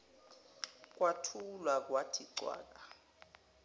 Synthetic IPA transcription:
k̬ʼwatʰulwak̬ʼwatʰiǀwa̰ːk̬ʼa

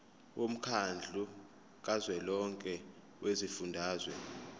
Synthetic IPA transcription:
wʔom̩kʰand͡ɮʱu | kʼazwɛlɔŋkʼɛ | wezifundʱaːzwɛ

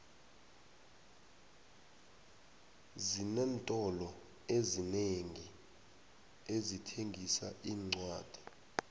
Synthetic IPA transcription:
zinɛntʼɔlɔ | ezineŋi | ezitʰeŋɡʱisaʔiːŋ͡ǀwaːd̥ʱi̥

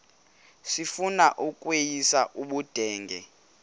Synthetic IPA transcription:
sifunaʔukʼwejisaʔuɓud̥ʱɛːŋɡʱɛ̰

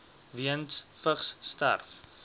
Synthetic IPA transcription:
viənsfəχsːtæ̰rf

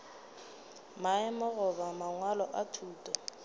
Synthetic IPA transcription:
maɪmɔɣʊβamaŋwalɔʔatʰuːtʼɔ

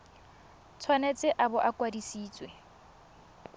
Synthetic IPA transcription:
t͡sʰwanet͡sʼɪʔabʊʔakʼwadisiːt͡sʼwe

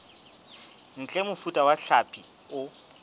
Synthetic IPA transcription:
ŋ̩t͡ɬʼɛmʊfutʼawaɬapʰʼi | ʊ

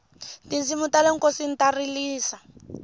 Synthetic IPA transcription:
tizimutaleŋ̩kosin̩tariliːsa

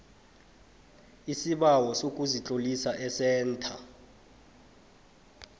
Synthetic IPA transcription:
isiɓawɔsok̬ʼuzit͡ɬʼolisaʔɛsɛːntʰa

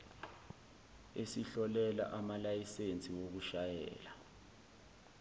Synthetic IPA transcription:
esiɬɔlɛla̰ʔamalajisent͡sʼiwok̬uʃajɛ̰ːla

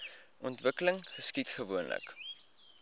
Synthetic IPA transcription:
ʔɔntvəkələŋχəskitχəvuənlə̰k

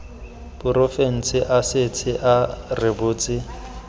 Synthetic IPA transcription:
b̥ʊɾofen̩t͡sʰɪʔasɪt͡sʰɪʔarɪbʊːt͡sʼɪ

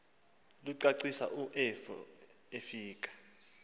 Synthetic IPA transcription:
luǀaǀisa̰ʔuʔɛfɔ̰ | efiːk̬ʼḁ

